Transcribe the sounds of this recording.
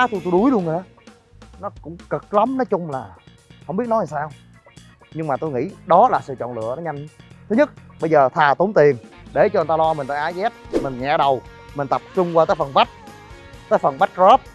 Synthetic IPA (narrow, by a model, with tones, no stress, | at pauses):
t̪ʰjt̪o˧jɗu˨˦jɗu˧əŋː˨˩aː˨˦ | nɔ˨˦kʊ̰˧˥ŋ͡mkə˨˩k̚lə˨˦mnɔ˨˦jt͡ɕʊ˧ŋ͡mlaː˨˩ | ə˨˧˨ŋ͡mɓi˦˥ət̚nɔ˨˦a˨˩saː˧w | ɲɨ˧ŋmaː˨˩t̪o˧jŋḭ˧˥ɗɔ˨˦laː˨˩sɨ̰˧˨t͡ɕɔ̰˧˨nlɨ̰˧˨ənɔ˨˦ɲa˧jŋ̟t̪ʰɨ˨˦ɲɨ˦˥t̚ɓə˧jzəː˨˩t̪ʰaː˨˩t̪o˨˦ŋ͡mt̪i˨˩ənɗe˧˩t͡ɕɔ˧˨˩t̪aː˧lɔ˧mi˨˩ŋ̟t̪aː˧˩ʔaː˨˦jzɛ˦˥p̚mï˨˩ŋ̟ɲa̰ː˧˩ɗə˨˩w | mï̟˨˩t̪ə˨˩p̚t͡ɕʊ˧ŋ͡mkwaː˧t̪aː˨˦jfə˨˩nva˦˥t̚ | t̪aː˨˦jfə˨˩nɓa˦˥t̚zɔ˦˥p̚